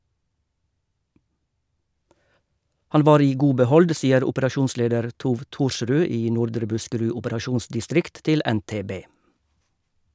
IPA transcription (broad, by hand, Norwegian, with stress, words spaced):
ˈhɑn ˈʋɑːɾ ˈiː ˈɡuː bəˈhɔld ˈsiːəɾ ʊpəɾɑˈʃuːnˌsleːdəɾ ˈtuːʋ ˈtuːɾˌʃʁʉː ˈiː ˈnʊɾdɾə ˈbʉskəˌɹʉ ʊpəɾɑˈʃuːnsdɪˌstɾɪkt ˈtɪl ˌɛnˌteːˈbeː